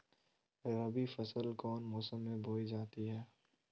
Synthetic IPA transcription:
ɾɐbifɐsəlkɔːnmɔːsəmːẽbʱoːid͡ʒaːt̪iɦɛː

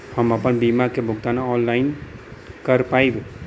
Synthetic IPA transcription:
həməpənbimakebʱʊkt̪anaɔnlain | kəɾpaibe

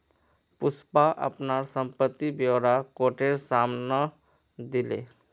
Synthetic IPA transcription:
pʊspaʔə̰pnaɾsə̃mpət̪ːibjoːɾakoːʈeɾsaːmna | d̪ɪlḛː

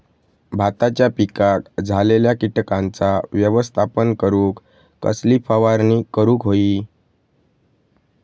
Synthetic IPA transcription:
bʱat̪at͡ɕjapikakd͡zʱaleljakiʈkãnt͡saʋjəʋəst̪ʰapənkəɾũːkː | ə̰slifʰəʋaɾnikəɾuːkɦoiː

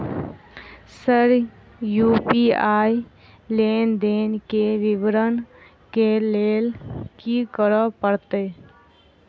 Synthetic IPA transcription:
səɾ | juːpiaːi | leːnd̪eːnkeʋɪʋɾən | keleːlkikəɾəpəɾt̪e

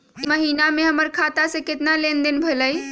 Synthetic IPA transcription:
iməɦiːnamẽɦəməɾkʰat̪asẽkɪt̪nalend̪enbʱələj

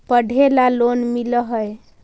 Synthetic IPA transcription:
pəɖʱelalonmiləɦəj

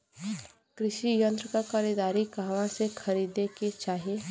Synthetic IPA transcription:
kɾɪʃijə̃nt̪ɾkakɐɾid̪aːɾikaːʋãsekʰɐɾiːd̪eket͡ʃaːɦie

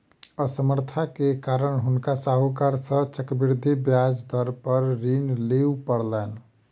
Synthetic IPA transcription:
əsəməɾt̪ʰakekaɾəɳɦunkasaɦukaɾsə̃t͡ʃəkbiɾd̪ʱibjad͡ʒd̪ʱəɾpəɾɾinleupəɽlɛn

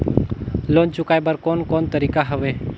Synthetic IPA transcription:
lont͡ʃʊkajbəɾkɔnkɔnt̪əɾikaɦəʋe

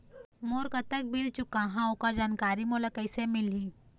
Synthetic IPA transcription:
moːɾkət̪ək̚bilt͡ʃukãɦãokad͡ʒaːnkaːɾimolakəjsemili

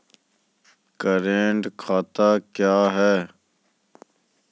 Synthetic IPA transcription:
kəɾeːɳʈkʰaːt̪aːkjaːɦɛː

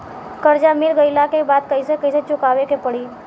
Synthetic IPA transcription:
kəɾd͡ʒamɪlɡəɪlakebaːd̪̚kəisekəiset͡ʃʊkaːʋekepəɽi

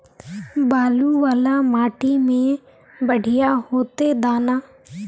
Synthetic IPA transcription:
baːluːʋaːlaːmaːʈiːmẽː | bəɽ̤ʱɪjaːhoːt̪eːd̪aːnaː

